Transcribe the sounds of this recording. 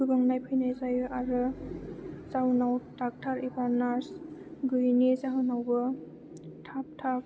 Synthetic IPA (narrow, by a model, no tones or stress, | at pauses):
ɡɯbaŋnajpʰɯjnajzajɯʔaɾɯ | zawnawtak̚tʰaɾibaɾnaɾsɡɯjnizaɦawnawbɯ | tʰap̚tʰap̚